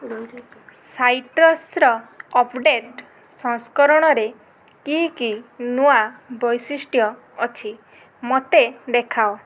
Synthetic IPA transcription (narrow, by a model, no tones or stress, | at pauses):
sajʈɾɔsɾɔɔpʰɖeʈ | sɔŋskɔɾɔɽ̃ɔɾe | kiɦkinuabɔjsisʈjɔː | t͡ʃʰi | mot̪ed̪ekʰao